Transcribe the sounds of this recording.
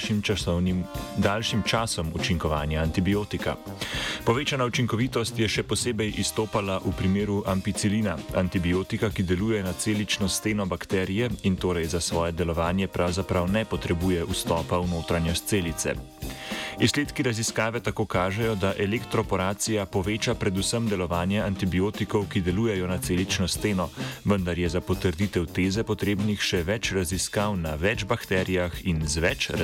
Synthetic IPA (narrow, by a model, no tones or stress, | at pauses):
imnimd̪aːlʃimt͡ʃaːsɔmut͡ʃiŋkɔʋaːnjaːnt̪ibijoːt̪ika̰ | pɔʋeːt͡ʃanaut͡ʃiŋkɔʋiːt̪ɔst̪jɛʃɛpɔseːbɛjʔist̪oːpalaʔupɾimeːɾuʔamfit̪siliːnaant̪ibijoːt̪ikakid̪ɛluːjɛnat̪seːlit͡ʃnɔst̪eːnɔbakt̪ɛːɾijɛint̪oːɾɛjzasʋɔːjɛd̪ɛlɔʋaːnjɛpɾʔawzapɾawnɛpɔt̪ɾɛbuːjɛust̪ɔːpawnoːt̪ɾanjɔst̪seːlit̪sɛ̰ | isleːt̪kiɾaziskaːʋɛt̪akoːkaːʒɛjɔd̪aʔɛlɛkt̪ɾɔpɔɾaːt̪sijapɔʋeːt͡ʃapɾɛd̪usəmd̪ɛlɔʋaːnjɛant̪ibijoːt̪ikɔwkid̪ɛluːjɛjɔnat̪seːlit͡ʃnɔst̪eːnɔʋənd̪aɾjɛzapɔt̪əɾd̪iːt̪ɛwt̪eːzɛpɔt̪ɾeːbnixʃɛʋɛt͡ʃɾaziskawnaʋɛd͡ʒbakt̪ɛːɾijaxinzʋɛt͡ʃ